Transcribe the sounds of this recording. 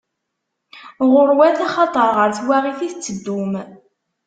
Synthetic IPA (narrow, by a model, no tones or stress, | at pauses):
ʁʊɾwæθɑχɑt̪ˤəɾˤʁəɾθwæʁiθiθt͡sːəd̪ːʊm